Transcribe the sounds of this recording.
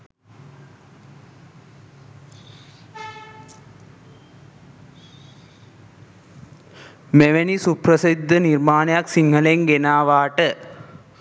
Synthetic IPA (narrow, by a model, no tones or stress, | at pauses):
meʋenisupɾəsid̪ʱːənirmaːnəjaksiŋhəleŋɡenaːʋaːʈə